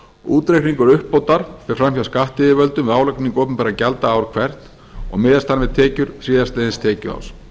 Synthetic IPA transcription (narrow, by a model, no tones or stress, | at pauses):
uːt̪ɾekniŋkʏɾʏhpːowt̪aɾ̥fɛ̥fɾamçaskaht̪ɪːðɪvœlt̪ʏmvɛaːwlœkniŋkoːwpʏnpɛɾacɛlt̪aaːwɾ̥kʰvɛr̥t̪ | ɔ̰ɣmɪːðast̪anvɛðt̪ʰɛːcʏɾ̥θiːðast̪ɛðɪnst̪ʰɛːcʏa̰ws